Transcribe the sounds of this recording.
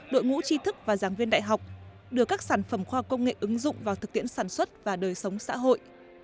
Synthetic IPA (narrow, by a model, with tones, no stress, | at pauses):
ɗo̰˧˨jŋṵ˧˥t͡ɕi˧t̪ʰɨ˦˥k̚vaː˨˩zaː˨˩ŋvi˧ənɗa̰ː˧˨jɦa˨˩wk͡p̚ | ɗɨ˧˩əkaː˦˥k̚saː˧˩nfə˧˩mxwaː˧˩kə˧wŋ͡mŋḛ˧˨ʔɨ˨˦ŋzʊ̰˧˨ŋ͡mvaː˨˩wt̪ʰɨ˨˩k̚t̪ḭ˧˥ənsaː˧˩nswə˦˥t̚vaː˨˩ɗəː˨˩jsə˨˦wŋ͡msa̰ː˧˥ɦo̰˧˨jʔ